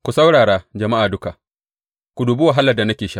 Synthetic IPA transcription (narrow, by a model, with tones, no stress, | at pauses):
kʷu˨sa˦wɽaː˨ɽaː˦d͡ʒɐ˨ma˦ʔaː˨dʊ˦ka˨ʔ | kʷu˨duː˨buː˦wa˨ɦa˦lɐ˨da˨nɐ˦kʲeː˨ʃa˦ʔ